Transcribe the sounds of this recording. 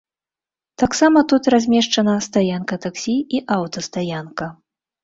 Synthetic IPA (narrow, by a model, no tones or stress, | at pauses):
t̪aksamɐt̪ut̪ɾazʲmʲɛʂt͡ʂɐnɐst̪ajankɐt̪aksʲiiʔawt̪ɐst̪ajankɐ